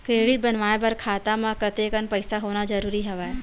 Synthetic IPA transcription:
keːɽibɐnʋaːebɐɾkʰaːt̪amãkɐt̪ekənpɐɪsaɦoːnazɐɾuːɾiɦɐʋaːe

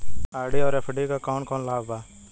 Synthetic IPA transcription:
aːɽiːɔːɾepʰəɖiːkaːkaːnkɔːnlaːbbaː

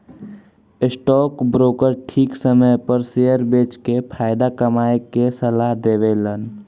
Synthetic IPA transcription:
ɪsʈɔːkbɾoːkəɾʈʰiːksəməjpəɾsejəɾbeːt͡ʃkepʰaːɪd̪akəmaːekesəlaːɦd̪eːʋelən

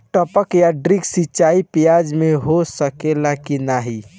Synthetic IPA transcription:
ʈəpəkjaɖɾiksit͡ʃaipijad͡ʒmẽɦosəkelakinaɦi

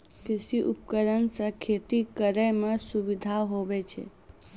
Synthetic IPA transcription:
kɪsiʔup̚kəɾənsəkʰet̪ikəɾəjmãsuʋid̪ʱaɦoʋet͡ʃʰḛ

